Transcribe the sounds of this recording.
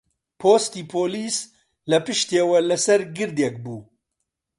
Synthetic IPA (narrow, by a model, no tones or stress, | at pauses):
pʰoːst̪iːpʰoːliːs | lɐpɨʃt̪eːwɛlɐsɛɾɡɨɾd̪ɛk̚buː